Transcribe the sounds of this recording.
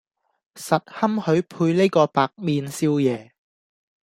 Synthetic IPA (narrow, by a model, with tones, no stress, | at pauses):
sɐ˨t̚hɐ˥mhɵ˨˧˥ɥpʰuː˧jne˥jkɔː˧paː˨k̚miː˨˧nsiː˧wjɛː˨˧